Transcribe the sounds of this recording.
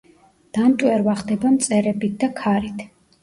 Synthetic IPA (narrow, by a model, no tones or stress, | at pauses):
d̪̥amt̪ʼwɛɾvaχd̪ɛbamt̪sʼɛɾɛbit̪̚ʰd̪akʰaɾit̪ʰ